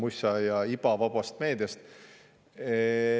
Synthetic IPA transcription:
musʲɑjɑipɑvɑbɑst̪̚me̞ːd̪̥jɑst̪ | e

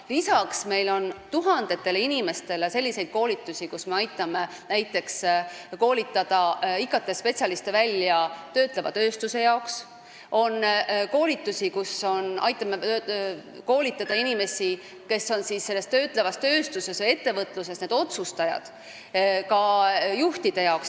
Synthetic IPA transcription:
lisɑksme̞jlo̞nt̪uɦɑnd̪̥e̞t̪ːˑe̞leinime̞st̪e̞le̞se̞lʲːise̞jd̪̥̚ko̞ːlit̪ːˑusʲikusme̞ɑjt̪ːˑɑme̞ | næjt̪ːˑe̞ksko̞ːlʲit̪ːˑɑd̪̥ɑikːˑɑt̪ːˑespe̞t̪sʲjɑlist̪evælʲːjɑt̪ø̞ːt̪ˑle̞vɑ̰t̪ø̞ːst̪use̞jɑoks | o̞nko̞ːlit̪ːˑusikuso̞nʔɑ̰jt̪ːˑɑme | ko̞ːlit̪ːˑɑd̪̥ɑinime̞si | ke̞so̞nsisːe̞lːest̪ø̞ːt̪ˑlevɑst̪ø̞ːst̪use̞seje̞t̪ːe̞vɤt̪ːˑluse̞sned̪o̞t̪sust̪ɑjɑ̰d̪̥ | kɑjuht̪id̪̥e̞jɑoks

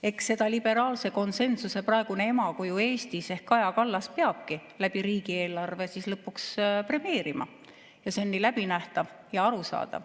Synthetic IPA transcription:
e̞kse̞d̪̥ɑlib̥e̞ɾɑːlse̞ko̞nse̞nsuse̞prɑeɡ̥une̞emɑkojue̞ːst̪ise̞hkɑjɑkɑlːɑspe̞ɑb̥̚kilæb̥iɾiːɡ̥ie̞ːlɑrve̞sislɤpːˑukspre̞mie̞ːɾimɑ̰ | jɑse̞nːilæb̥inæht̪ɑv | jɑɑɾusɑ̰ːd̪̥ɑ̰v

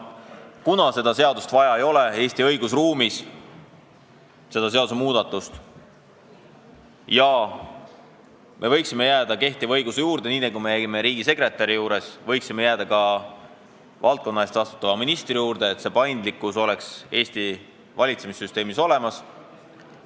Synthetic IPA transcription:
kunɑse̞d̪ɑse̞ɑd̪̥ust̪vɑjɑejo̞le̞e̞ːst̪iɤjɡ̥usruːmis | se̞d̪̥ɑse̞ɑd̪use̞muːd̪̥ɑt̪ˑːust̪ | jɑ | mʔe̞vɤ̞jksime̞jæːd̪ɑke̞ht̪ivɤjɡ̥usejuːɾd̪e̞niːnekumejæɡime̞ɾiːɡise̞kre̞t̪ːˑɑɾijuːɾe̞svɤ̞jksime̞jæːd̪̥ɑkɑ | vɑlt̪̚ko̞nːɑe̞st̪ɑst̪u̥t̪ːˑɑvɑminist̪rijuːɾd̪̥e̞ːt̪se̞pɑjnd̪likːˑuso̞le̞kse̞ːst̪i | vɑlʲit̪se̞misːyst̪e̞ːmiso̞le̞mɑs

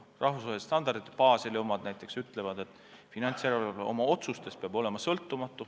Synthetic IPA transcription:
rʔɑhvusvɑːheist̪ɑnd̪̥ɑrd̪it̪ːpɑːselemɑd̪̥næjt̪ːˑe̞ksyt̪ːˑle̞vɑd̪e̞t̪ːˑ | finɑnt̪sjæɾɑeleʔo̞mɑo̞t̪sust̪e̞speɑbo̞le̞mɑsɤlt̪ːˑumɑt̪ːˑu

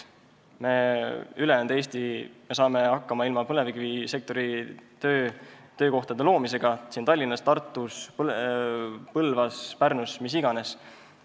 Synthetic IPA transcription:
me̞yleɑnd̪eːst̪imesɑːme̞ɑkːɑmɑilmɑpɤleviɡvise̞k̚t̪o̞ɾit̪øːt̪ø̞ːko̞ht̪ɑd̪̥e̞lo̞ːmise̞ɡ̥ɑsint̪ɑlʲːinːɑst̪ɑrt̪ːˑus | pɤlvɑspærnusmis̬iɡ̥ɑne̞s

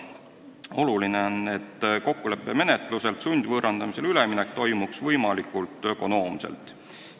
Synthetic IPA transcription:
o̞lulineone̞t̪ːko̞kːule̞pːˑe̞me̞ne̞t̪ˑluse̞lt̪sunʲd̪̥ʲvɤːɾʔɑnd̪̥ɑmise̞lyleminek̚ːt̪o̞jmuksvɤjmɑlikːˑult̪ːˑø̞ko̞no̞ːmsḛlt̪ːˑ

